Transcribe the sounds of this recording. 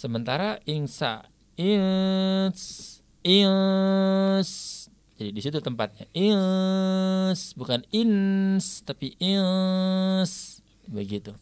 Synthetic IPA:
səmənt̪aɾaʔiŋsa̰ | i | s | il | s | d͡ʒadidisit̪ut̪əmpat̪̚ɲaʔi | sbukaninst̪apiʔil | s | bəɡit̪u

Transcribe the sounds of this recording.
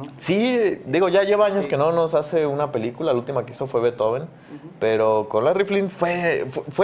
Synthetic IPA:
sid̪iɣo̞ʝaʝe̞βaaɲo̞ske̞no̞no̞sase̞unape̞likulaault̪imakeiso̞fwe̞βet̪oβen | pe̞ɾo̞ko̞nlariflinfwefefwe

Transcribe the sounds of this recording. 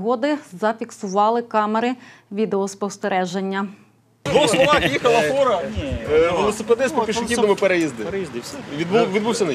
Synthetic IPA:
ɦɔd̪ɪzɐfʲiksʊʋɑlˠɪkɑmeɾɪ | ʋʲid̪eɔspɔwst̪eɾʔɛʒenʲːɐ | d̪ʋɔxslˠɔʋɑxjixɐlˠɐfɔɾɐ | ʋelˠɔseped̪ɪspɔpʲiʃɪk̪ʲidnɔmʊpeɾejizd̪ɪʋʲid̪buʋʲid̪buwsʲɐnɐ

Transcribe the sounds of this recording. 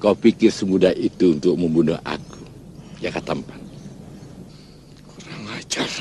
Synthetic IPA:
kawpikɪrsəmudahit̪uunt̪ʊk̚məmbunʊ̰hʔa̰ku̥ | d͡ʒakat̪ampan | kuɾaŋat͡ʃar

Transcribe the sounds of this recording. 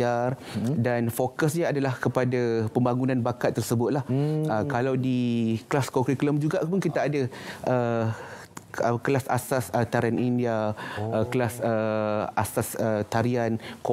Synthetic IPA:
ardanfokasɲaadalahkəpadapəmbaŋunãnbakat̪ːərsəbʊt̪̚lahəkalawdiklaskɔkɾikləmd͡ʒuɡaʔpʊnkit̪aːdaʔə | əkəlasa̰sasət̪aɾianʔindiaəkəlasəasasət̪aɾiank

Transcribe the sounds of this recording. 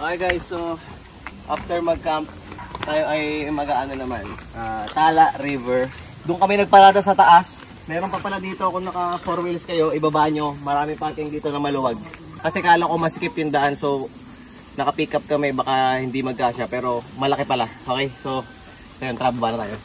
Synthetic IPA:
ʔajɡajsːo | ʔa̰ft̪ɛɹmɐɡ̚kamp̚ | t̪aːjo̞ʔɐjmɐɡaʔanonɐmanʔaːt̪aːlɐʔɾivɛɹ | d̪ʊŋkɐmɛnɐɡ̚pɐɾaːd̪ɐsɐt̪ɐʔas | mɛːɾopɐpɐlɐd̪iːt̪o̞ɐkoŋnɐkɐfoɾmɪlɐskɐjo̞ʔɪbɐbaʔɲo̞mɐɾaːmɪŋpɐk̪ɪŋd̪iːt̪o̞nɐmɐlʊwaɡ̚ | kɐsɛkaːlɐkomɐsɪkɪpjʊŋd̪ɐʔanso̞ | nɐkɐpiːkɐp̚kɐmɛbɐkahɪnd̪imɐɡ̚kaːʃapɛːɾo̞mɐlɐkɪpɐlaʔo̞ːkɛjso̞ | kɐjont̪ɾaːbʊbanɐt̪a̰ːjo

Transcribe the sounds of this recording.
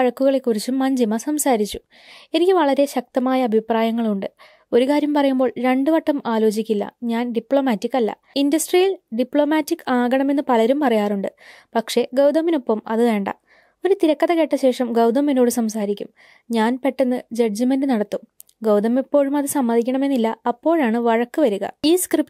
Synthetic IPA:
ɐɻɐkːuɣɐɭe̞kːurit͡ɕːumːɐɲd͡ʑimɐsɐmsaːɾit͡ɕːu | e̞nikʲːɨʋɐɭɐɾe̞ɕɐk̚t̪ɐmaːjɐːbʱipraːjɐŋːɐɭuɳɖɨ | o̞ɾukaːɾjɐmpɐrɐjumbo̞ːɭɾe̞ɳɖɨʋɐʈːɐmaːlo̞ːt͡ɕikʲːilːɐ̰ɲaːnɖipɭo̞ːmaːtːikːɐlːɐ̰ | indɐsʈrijɐlɖipɭo̞ːmaːtːikːaːɡɐɳɐme̞nːɨpɐlɐɾumpɐrɐjaːruɳɖɨ | pɐkʂe̞ɡɐwd̪ɐmːinopːɐmɐ̰ðɨʋeːɳɖa̰ | o̞ɾut̪iɾɐkːɐðɐke̞ʈːɐɕe̞ːʂɐmɡɐwd̪ɐmːino̞ːɽɨsɐmsaːɾikʲːum | ɲaːnpe̞ʈːenːɨd͡ʑɐd͡ʑimendɨnɐɽɐt̪ːum | ɡɐwd̪ɐmipːo̞ːɻumɐðɨsɐmːɐd̪ʱikʲːɐɳɐme̞nːilːɐːpːo̞ːɻaːɳɨʋɐɻɐkːɨʋɐɾuɣɐ̰iːskrip

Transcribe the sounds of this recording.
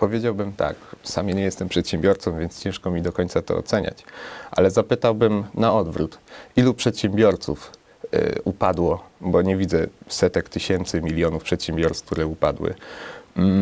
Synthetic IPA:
pɔvʲjed͡ʑawbɘmt̪a̰ksamjeɲɛjɛst̪ɛmpʂɛt̪ɕɛmbʲjɔɾt̪sɔ̃mvʲjɛnt̪st͡ɕɛ̃ʂkɔmʲid̪ɔkɔɲʲt̪sat̪ɔ̰ɔ̰t̪sɛɲa̰t͡ɕʔa̰lɛzapɘt̪awbɘmnaɔd̪vɾut̪ʔilupʂɛt̪ɕɛmbʲjɔɾt̪suf | upad̪wɔbɔɲɛvʲid̪zɛsɛt̪ɛkt̪ɘɕɛnt̪sɘmʲilʲjɔnufpʂɛt̪ɕɛmbʲjɔɾsk̚t̪uɾɛupad̪wɘ̰

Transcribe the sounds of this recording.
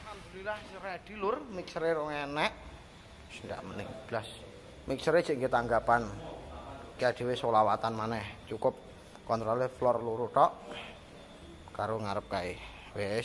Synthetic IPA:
hamd̪uɾilahsɾɛɖ̥i̤lʊrmiksɾeɾɔŋɛnɛʔ | snda̰ʔmənɪ̰ŋb̥əlas | miksɾe̥d͡ʒ̥iʔŋɡet̪aŋɡapan | kiaɖ̥e̤wesolawat̪anmanɛht͡ʃukʊp̚ | kɔnt̪ɾɔleflɔrluɾut̪ɔʔ | kaɾoŋaɾəp̚kai | we

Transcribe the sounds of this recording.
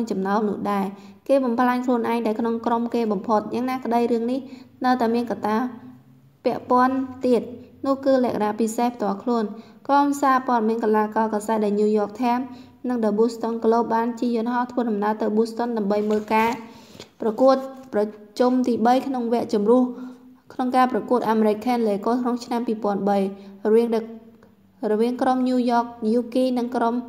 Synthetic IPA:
ŋt͡ɕɑmnaɔnʊ̆əhɗaɛ | keːɓɑmpʰlaŋkʰluənʔaɛŋɗaɛkʰnoŋkromkeːɓɑmpʰot̪̚jaːŋnaːkə̆ɗəjrɨəŋnihnəwt̪aɛmiənkat̪aː | pɛ̆əʔpŏənt̪iət̪̚nʊ̆əhkɨːlɛ̆əkanapisehpʰt̪ŏəlkʰluən | kromsaːpoəɗɑmiənkalaːkɑːkasaɛt̪̚ɗaɛlnuːjɔːk̚t̪ʰam | nɨŋɗaɓust̪onkloːɓaːnt͡ɕiəjʊ̆ənɦɑht̪ʰʋəːɗɑmnaət̪ɨwɓust̪onɗaəmɓəjməːlkaːprɑkuət̪̚prɑt͡ɕumt̪iːɓəjkʰnoŋʋɛ̆əʔt͡ɕumrʊ̆əhkʰnoŋkaːprɑkuət̪̚ʔaːmeɾɨc̚kʰaːnleːkoːroŋt͡ɕʰnampiːpŏənɓəjrʋiəŋ | rɔʋiəŋkromɲuːjɔːk̚juːkiːnɨŋkrom

